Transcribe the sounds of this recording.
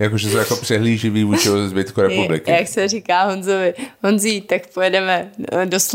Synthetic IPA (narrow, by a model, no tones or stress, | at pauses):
jakoʒɛsowjakopr̥ɛɦliːʒɪviːvuːt͡ʃɪɪozɛzbɪt̪kuɾɛpublɪkɪjaksɛriːkaːɦonzovɪɦonziːt̪akpojɛdɛmɛdos